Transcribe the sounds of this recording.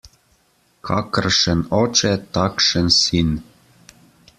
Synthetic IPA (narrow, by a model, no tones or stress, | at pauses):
kʰɑkə̆rʃĕnot͡ɕet̪ɑkʃə̆nsin